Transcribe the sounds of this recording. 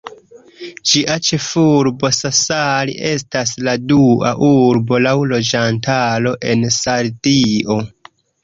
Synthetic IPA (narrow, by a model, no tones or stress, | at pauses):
d͡ʒiʔat͡ʃe̞fuɾbo̞sasaliʔe̞s̬tasladua̰ʔuɾbo̞lawlo̞d͡ʒantaɾo̞ʔe̞nsaɾdiʔo̞